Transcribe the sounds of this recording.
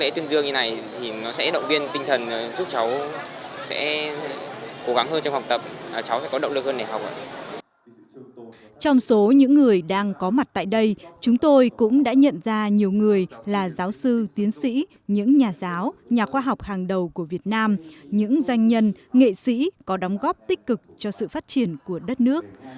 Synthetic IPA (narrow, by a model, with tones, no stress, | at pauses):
lḛ˧˥t̪i˧ənzɨ˧əŋɲɨ˧na˨˩jt̪ʰi˨˩nɔ˨˦sɛ̰˧˥ɗə̰˧˨wŋ͡mvi˧ənt̪ï˧ŋ̟t̪ʰə˨˩n˨˩zu˦˥p̚t͡ɕa˨˦w | sɛ̰˧˥ | ko˨˦ɣa˨˦ŋɦəː˧nt͡ɕɔ˧wŋ͡mha˨˩wk͡p̚t̪ə˨˩p̚ːt͡ɕa˨˦wsɛ̰˧˥kɔ˨˦ɗə̰˧˨ŋ͡mɨ˨˩k̚həː˧nːe˧˩ɦa˨˩wk͡p̚ʔə̰˧˨ | t͡ɕɔ˧wŋ͡mso˨˦ɲɨ̰˧˥ŋːɨ˨˩əjɗaː˧ŋkɔ˨˦ma˨˩t̚t̪a̰ː˧˨jɗə˧jt͡ɕʊ˨˦ŋ͡mt̪o˧jkʊ̰˧˥ŋ͡mɗa̰ː˧˥ɲə̰˧˨nzaː˧ɲi˨˩əwŋɨ˨˩əjlaː˨˩zaː˨˦wsɨ˧t̪i˨˦ənsḭ˧˥ | ɲɨ̰˧˥ŋɲaː˨˩zaː˨˦wɲaː˨˩xwaː˧ɦɔ˨˩wk͡p̚haː˨˩ŋɗə˨˩wku˧˩əvi˨˩ət̚naː˧mɲɨ̰˧˥ŋzwa˧jŋ̟ɲə˧nŋḛ˧˨sḭ˧˥kɔ˨˦ɗɔ˨˦wŋ͡mɣɔ˦˥p̚t̪ï˦˥k̟̚kɨ˨˩k̚t͡ɕɔ˧sɨ̰˧˨faː˦˥t̚t͡ɕi˧˩ənku˧˩əɗə˦˥t̚nɨ˦˥ək̚